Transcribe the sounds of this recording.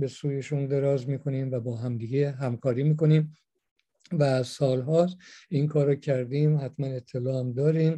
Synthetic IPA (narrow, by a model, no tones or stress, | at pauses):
be̞suːjeʃund̪eɾɒːzmiːkʰo̞niːmvæbɒːɦæmd̪iːɡeɦæmkʰɒːɾiːmiːko̞niːm | væsɒːlɦɒːsinkʰɒːɾɔcʰæɾd̪iːmhæt̪ʰmæne̞t̪ʰːelɒːæmd̪ɒːɾiːm